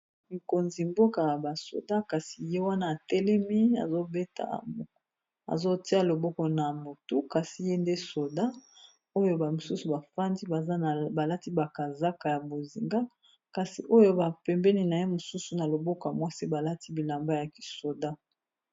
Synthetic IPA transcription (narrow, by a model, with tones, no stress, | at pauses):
mi˨ko˨nzi˨mbo˦ka˨ja˨ba˨so̰˨da˦ka˨si˨je˦wa˦naː˦˨tɛ˦lɛ˦mi˦a̰˨zo˦be˦ta̰˨ | a̰˨zo˦ti˦a˨lo˨bo˦kɔ˨na˨mo˨tu˦ka˨si˦je˦nde˦so˨da˦ | o˦jo˦ba˨mo˨su˦su˨ba˨fa˦ndi˦ba˨a˦˨ba˨la˦ti˦ba˨ka˨za˦ka˨ja˨bo˨zi˨ŋɡa˦ | ka˨si˨ʔo˦jo˦ba˨pɛ˨mbɛ˦ni˦na˨je˦mo˨su˦su˨na˨lo˨bɔ˦ka˨mwa˦si˦ba˨la˦ti˦bi˨la˨mba˦ja˨ki̥˨so˨da˦